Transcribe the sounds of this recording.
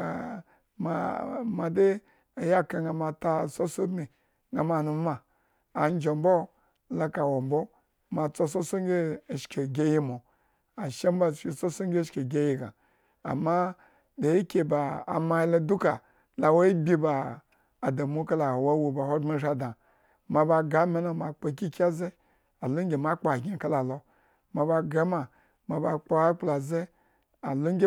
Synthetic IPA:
a̰˨ | ma˨ma˨de˦ | a˨ja˦ka˨ŋɡa˨ma˨ta˦˨so˦so˦dmi˨ | ŋɡa˨ma˨nu˨˦maː˨ | n˦d͡ʒo˨mbo˦ | la˦ka˨wo˨mbo˦ | ma˨t͡so˦so˦so˦ŋɡʲe˦˨ʃke˨ɡʲe˦ji˦mo˨ | a˨ʃe˦m˦ba˦ʃi˦˨so˦so˦ŋ˦ɡʲe˦ʃke˨ɡʲe˦ji˦˨ɡa̰˨ | a̰˨mːa˦ | de˨i˦kʲe˨ba˨a̰˨ma˧˦i˦lo˦du˦ka˨ | la˨wo˦i˦bʲi˦baː˨ | da˨mu˦ka˦la˨wo˦wu˨ba˨ho˦da˦ʒa˦dã˨ | ma˨ba˧ɡa˦me˦na˨ma˨k͡po˧˨k̬ʲi˦kʲi˦a˦ze˦ | a˨lo˦ŋ˦ɡʲe˨ma˦k͡po˨a˨ɡʲi˨ka˦la˨lo˨ | ma˨ba˧ɡa˦ma˨ | ma˨ba˨k͡po˦a˦k͡pla˨ze˦ | a˨lo˦ɡʲe˦

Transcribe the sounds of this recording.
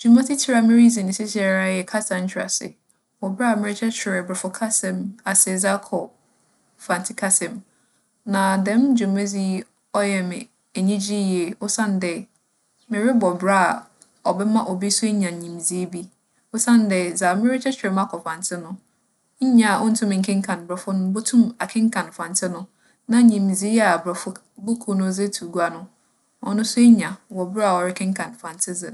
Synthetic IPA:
d͡ʒu˨mã˦tʰi˦tʰi˦ɾa˦mɪ̃˦ɾi˦zĩ˨n˨sɪ˦sɪ˦ɛ˦ɾa˦jɛ˨kʰa˦sã˨n̩˦t͡ɕʰᶣɾa̰˨sɪ̰˨ | wɔ˨bɾa˦˨mɪ̃˦ɾɪ˦t͡ɕʰɛ˦t͡ɕʰᶣɪ˨ɾɛ˨bɪ˨fʊ˨kʰa˦sɛ̃˨ma˨sɪ˨ɛ˨za˦kʰɔ˨ | fã˨ntʰɪ˦kʰa˦sɛ̃˨m | nã˨dɛ̃˨˦md͡ʑu˨ma˦zi˦ | ɔ˦jɛ˨mɪ̰̃˨ | e˨ɲĩ˦d͡ʑi˦jɛ˨ʊ˦sã˦n˨˦dɛ˨ | mɪ̃˨ɾɪ˦bɔ˨bɾa˦˨ | ɔ˨bɛ˦mã˦ʔɔ˨bi˦sʊ˦e˦ɲã˨ɲĩ˨m˨zi˦bi˦ | ʊ˦sã˦ndɛ˨za˨mɪ̃˦ɾɪ˦t͡ɕʰɛ˦t͡ɕᶣɪ˨ɾɛ˨mã˦kʰɔ˨fã˨ntʰɪ˦nʊ̃˦ | ɲ̩˦ɲã˨a˨ʔɔ˦n̩˦tʰʊ̃˦mɪ̃˨ŋ̩˨˦kʰɪ̃˦ŋ̩˦kʰã˨n˨bɛ˨fʊ˦nʊ̃˦bo˦tʰũ˦ma˨kʰɪ̃˦ŋ̩˦kʰã˨n˨fã˨n˨tʰɪ˦nʊ̃˦ | nã˨˦ɲĩ˨m˨zi˦a˨bɾɛ˨fʊ˦ | bʊ˦kʰu˦nʊ̃˦ze˦tʰu˨ɡu˦a˨nʊ̃˦ | ɔ̰˨˦nʊ̃˦sʊ˦ɲã˨wɔ˨bɾa˨ɔ˨ɾɪ˦kʰɪ̃˦ŋ̩˦kʰã˨n˨fã˨n˨tʰɪ˦zɪ˨

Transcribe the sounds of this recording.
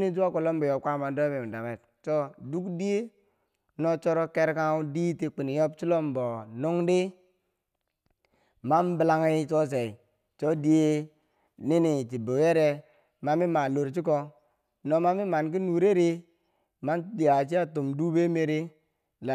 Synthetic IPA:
ni˦d͡ʒu˦a˦ko˨lo˦mbo˨jo˨kʷa˦ma˨do˦be˨m˨da˨me˨t̚ | t͡ʃo˦du˦kdi˦e˦ | no˦t͡ʃo˦ɾo˦ke˦ɾka˦u˦di˦ti˨k͡pi˨ni˨jo˦b̚t͡ʃi˦lo˦mbo˨nu˦ŋdi˦ | ma˦nbi˨la˦ŋi˦t͡ʃo˦s̬e˨i˨ | t͡ʃo˦di˦e˦ | ni˦ni˨ti˨bo˨je˦ɾe˦ | ma˨˦mi˦ma˨lo˨ɾt͡ʃi˦k̬o˦ | no˨ma˦mi˦ma˨nk̬i˦nu˨ɾe˦ɾi˦ | ma˦n˦di˨a˨t͡ʃi˦a˦tu˨mdu˦be˦me˨ɾi˦ | la˨

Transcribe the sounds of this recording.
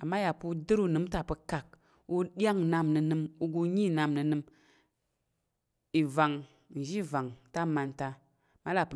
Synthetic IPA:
a˨mːa˦ja˨pu˧dɨ˦ɾu˦˨nɨ˨˦m˦ta˨pɨ˧ka˨k̚ | u˦ɗi˦a˦ŋna˧mnɨ˧nɨ˧mu˧ɡu˧ɲi˦˨na˧mnɨ˧nɨ˧m | i˨va˨ŋ | n̩˨ʒi˦˨va˨ŋta˦ma˨nta˧ | ma˦la˨pɨ˨

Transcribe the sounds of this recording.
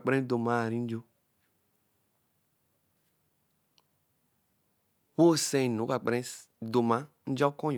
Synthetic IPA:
k͡pɾɛ̃˦d̪o˨mã˦˨ɾĩ˨˦n̩˦d͡ʒo˦ | wo˦˨sɛ̃˦˨no˨˦ka˨k͡pɛ̃˦ | d̪o˨mã˦ | n̩˦d͡ʒɔ˦kɔ̃˦˨

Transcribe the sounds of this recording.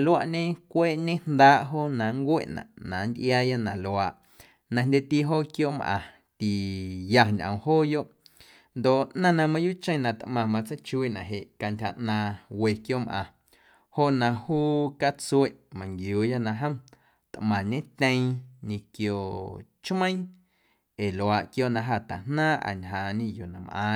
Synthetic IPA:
lwa˧ʔɲẽ˦kʷeː˦ʔɲẽ˦n̥d̪aː˦ʔɦo˦nã˨ŋkʷḛ˦ʔnã̰˨ʔnã˨nd̪ʲʔjaː˧ja˦nã˨lo˧˨aː˨ʔ | nã˧ndʲe˦t̪i˦ɦoː˦˨kjo˦˨mʔã̰˧˨ | t̪i˨ja˧ɲʔə̰̃˨ɦoː˦jo˦ʔ | nd̪o˨ʔnã˦nã˧mã˧juː˦t͡ʃə̃˧˦˨nã˨t̪ʔmã˧mã˧t͡sə˦t͡ʃu˧i˦˨nã˨ɦe˨ʔka˧ntʲha˨ʔnã˧we˧kjo˦˨mʔã̰˨ | ho˦ʔnã˧huː˦ka˦t͡su˦e˦˨ʔmã˨ŋɡjuː˨ja˦nã˧ɦə̃˦m | t̪ʔmã˨ɲẽ˦t̪ʲə̃˧j̃ɲĩ˧kjo˧˨ʔt͡ʃmə̃˦j̃ | e˨lo˨a˨ʔkjo˦˨ʔnã˧ɦa˧˨t̪a˨n̥nãː˦ʔa̰˨ɲɦãː˨ɲĩ˦˧ju˨nã˨mʔã̰ː˧

